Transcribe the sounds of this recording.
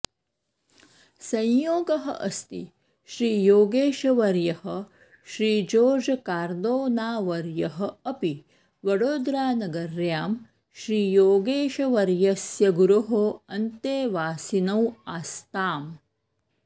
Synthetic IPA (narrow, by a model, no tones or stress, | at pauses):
sɐ̃jjoːɡɐɦɐ̰ʔɐst̪i | ʃɾiːjoːɡeːʃɐʋɐɾjɐɦɐ̆ | ʃɾiːd͡ʒoːd͡ʒɐkaːɾd̪oːnaːʋɐɾjɐɦɐ̆ɐpi | ʋɐɽoːd̪ɾaːnɐɡɐɾjaːm | ʃɾiːjoːɡeːʃɐʋɐɾjɐsjɐɡuɾuɦoɐnt̪eːʋaːsinɐwaːst̪aːm